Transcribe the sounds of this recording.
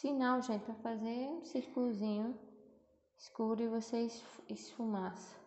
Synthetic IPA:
sinawʒẽnt̪ɪpɾafazeũsiɾkulʊzĩɲʊ̃ | ɪskubɾɪvosesɪsfumasɐ̥

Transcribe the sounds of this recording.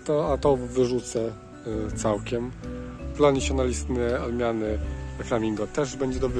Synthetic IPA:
t̪ɔat̪ɔvɘʐut̪sɛ | t̪sawkʲɛmd̪lanʲisjɔnalʲist̪nɘalmʲjanɘɾɛflamʲiŋɡɔt̪ɛʐbɛɲd͡ʑɛd̪ɔbɾ

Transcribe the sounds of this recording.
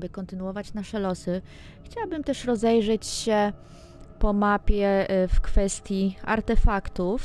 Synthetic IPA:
bɘkɔnt̪ɘnuɔvat͡ɕnaʂɛlɔsɘ | xt͡ɕawabɘmt̪ɛʂɾɔzɛjʐɛt͡ɕɕɛ | pɔmapʲjɛfkfɛst̪ʲjia̰ɾt̪ɛfakt̪uf

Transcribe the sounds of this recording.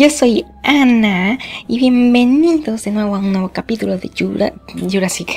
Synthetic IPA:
josoj | anaiβjembeniðosenwewanweβokapit̪uloðejuɾa̰d͡ʒuɾasik

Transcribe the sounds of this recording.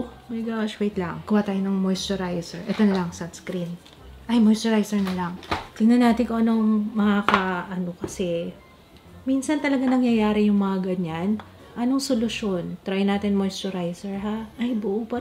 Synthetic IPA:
mɐjɡaʃwejt̪lɐŋkʊwat̪aːjonɐŋmojst̪oɾajsɛɹʔɛt̪onɐlɐŋsɐt̪skɾin | ʔɐjmojst̪ɛɾajsɛɹnɐlɐŋt̪ɪɡnɐnaːt̪ɪnkoʔɐnoŋmɐkakɐʔɐno̞kɐsɛ | minsɐnt̪ɐlɐɡanɐŋjɐjaːɾɪjʊŋmɐŋɐɡɐd̪̚ɲan | ʔɐno̞ŋsolʊʃo̞nt̪ɾɐjnaːt̪ɪnmojst̪oɾajsɛɹɦaʔɐjbʊʔupɐ

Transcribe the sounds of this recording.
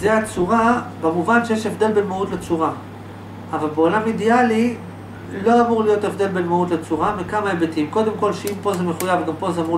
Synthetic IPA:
zeat͡suʁabemuvanʃejeʃevd̪e̞lbelmautlet͡suʁa | avalbeolamid̪iali | lo̞amuʁlijo̞te̞vd̪e̞lbelmautlet͡suʁamikamaebetimko̞d̪e̞mko̞lʃeimpo̞zemeχujavɡampo̞zeamu

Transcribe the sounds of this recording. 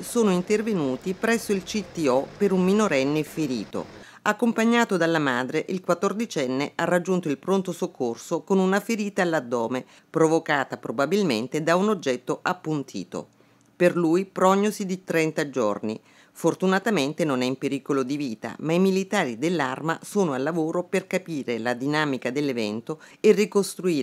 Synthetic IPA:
soːnoint̪ervenuːt̪ipɾɛsːoilt͡ʃit̪ːiɔpeɾumːinoɾɛnːefeɾḭːt̪o̰ | akːompaɲːaːt̪od̪alːamaːd̪ɾeʔilkwat̪ːord̪it͡ʃɛnːeʔarːad͡ʒːunt̪oilpɾont̪osokʰːorsokonunafeɾiːt̪aːlːad̪ːɔːme | pɾovokaːt̪apɾobabilment̪ed̪aunod͡ʒːɛt̪ːoʔapːunt̪ʰḭːt̪o̰ | perlujpɾɔɲːosid̪it̪ɾɛnt̪ad͡ʒo̰rni | fort̪unat̪ament̪enonɛimpeɾiːkolod̪iviːt̪a̰maimilit̪aːɾid̪elːa̰rmasoːnoalːavoːɾoperkapiːɾelad̪inaːmikad̪elːevɛnt̪oerːikost̪ɾuiː

